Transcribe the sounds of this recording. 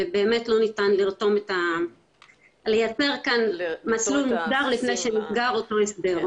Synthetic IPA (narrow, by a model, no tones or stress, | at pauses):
ebe̞ːme̞tlo̞nitanliʁto̞meta | le̞jat͡se̞ʁkanmat͡slulmusdaʁlifne̞jʃemisɡaʁoto̞esbe̞ʁ